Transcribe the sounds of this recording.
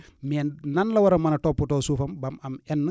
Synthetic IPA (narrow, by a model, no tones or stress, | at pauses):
mɛːnnɐnlɐwɐɾɐmːɐnɐtɔpːutɔːsuːfɐmbɐmɐmɛnːə